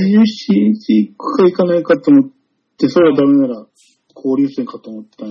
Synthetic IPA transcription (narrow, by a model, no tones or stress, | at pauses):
jɨɕiɲsiːkːɯ̥kaikanaikat̪oːmot̪ː | e̞so̞ɾe̞βad̪ame̞naɾa | kʰo̞ːɾʲɨːsẽŋkat̪oːmot̪ːã